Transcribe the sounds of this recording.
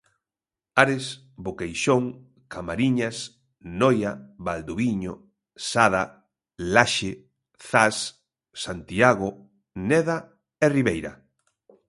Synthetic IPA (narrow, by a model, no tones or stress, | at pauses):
aɾɪs | bokejʃoŋ | kʰamaɾiɲas | nɔjaβald̪oβiɲo | saða | laʃɪ | θasː | ant̪iaɣo | nɛða | eriβejɾa̰